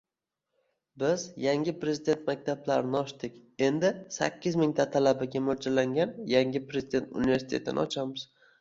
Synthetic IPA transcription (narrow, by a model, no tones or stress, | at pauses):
bɪzjaŋʲɪpɾe̞zid̪e̞nt̪mak̚ʲt̪ʰablaɾɪnɪɒʃt̪ɪkʲe̞nd̪ɪsa̰kʲːɪzmɪŋʲt̪ʰat̪ʰalabaɡʲamoɾd͡ʒalaŋɡʲanjaŋʲɪpɾezid̪e̞nt̪ṵniveɾsɪt̪et̪ʰɪ̰nɪ̰ɒt͡ʃʰamɪz̥